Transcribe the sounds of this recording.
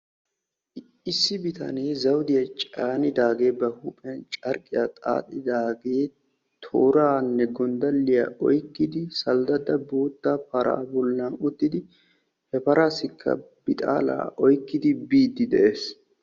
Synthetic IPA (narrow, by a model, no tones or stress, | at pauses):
ɪsːɪbɪt̪ʰɐ̰neːzɐwd̪ɪjɐt͡ʃʼaːnɪd̪aːɡe̞ːbɐhupʼɛjɐnt͡ʃʼɐɾkʼːɪjaːt̪ʼa̰ːt̪ʼːɪd̪aːɡe̞ː | t̪ʰoːɾaːnːɛɡɔnd̪ɐlːɪja̰ʔɔjkːɪd̪ɪsɐld̪ɐd̪ɐboːt̪ːapɐɾa̰ːbɔlnaʊt̪ːɪd̪ɪ | hɛpɐɾaːsɪkʰːɐ̰ | bɪt̪ʼa̰ːla̰ːʔɔjkːɪd̪ɪbiːd̪ːɪd̪ɛʔe̞ːs